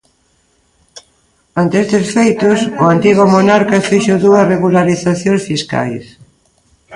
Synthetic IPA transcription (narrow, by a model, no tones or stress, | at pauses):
ant̪eest̪esfejt̪ʊsʊant̪iɣʊmonaɾkɐfiʃʊðuɐsreɣulaɾiθaθjõŋsfiska̰js